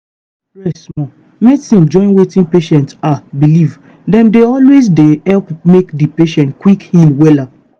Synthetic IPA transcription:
ɹɛsmɔ̃ | mɛsĩmd͡ʒɔ̃ɪ̃nwetĩnpeʃɛ̃ntabiliv | dɛ̃mdeɔlwezdehɛlpmekdipeʃɛ̃ntkwikhilwɛlap̚

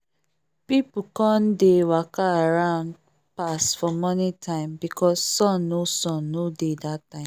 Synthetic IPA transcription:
pipukɔ̃ndewakaaɹãʊ̃nd̚ | pasfɔmɔnitʰãɪ̃mbikʰɔsːɔ̃nːosɔ̃nːodedatːãɪ̃m

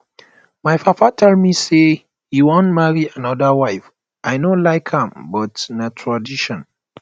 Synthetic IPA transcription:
majfafatʰɛldmise | juwɔ̃ntmaɹiãnɔdəwajf | ʔajnolaɪkʰhãmbɔtnatʰɹadiʃɔ̃n

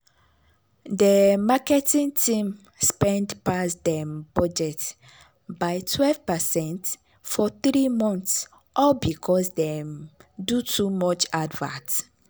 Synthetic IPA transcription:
dəmakɛtĩntʰĩm | spɛ̃ndpasdɛ̃mb̥ɔd͡ʒɛt | baɪtʰwɛlvpasɛ̃nt | fɔθɹimɔ̃nθs | ʔɔbikʰɔsdɛmdutʰumɔt͡ʃadvã̰nt

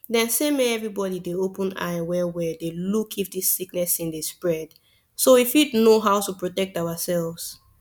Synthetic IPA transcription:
dɛ̃nsemeɛvɹibɔɾideopə̃na̰ɪwɛwɛdelukʰifdisːiknɛsĩndespɹɛd̥ | sowifidnoɦawtupɹotɛk̚tawasɛlvz̥

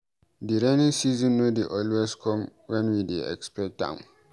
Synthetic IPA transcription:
diɾãnĩŋsizɔ̃nːodeʔɔlweskʰɔ̃mwɛ̃nwideɛ̰kspɛtã̰m

